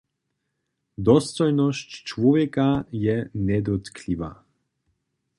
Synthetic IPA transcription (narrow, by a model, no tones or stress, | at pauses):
d̪ɔst̪ɔjnɔsct͡ʃvɔvjɛkajɛnɛd̪ɔt̪kʰliva̰